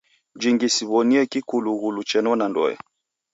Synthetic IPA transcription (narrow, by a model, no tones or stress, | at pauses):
d͡ʒiŋɡisiβɔniɛkikuluɣulut͡ʃɛnɔnandɔ̰jɛ̰